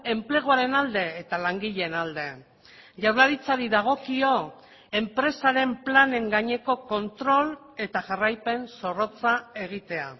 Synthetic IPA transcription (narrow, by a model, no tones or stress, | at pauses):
e̞mple̞ɣ̞oaɾe̞nald̪e̞ːt̪alaŋɡiʎenald̪e̞ | ʎawɾlaɾit͡saɾiðaɣ̞o̞kio̞ | e̞mpɾe̞saɾe̞mplane̞ŋɡaɲe̞ko̞ko̞nt̪ɾo̞l | e̞t̪aʝarajpe̞nso̞ro̞t͡sae̞ɣ̞it̪e̞a̰